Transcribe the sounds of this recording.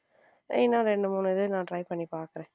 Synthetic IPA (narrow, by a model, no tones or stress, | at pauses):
ɛːnːãːɾɛɳɖɯmuːnðɯnãːʈɾɐɪpɐɳːipaːɾkɪɾẽː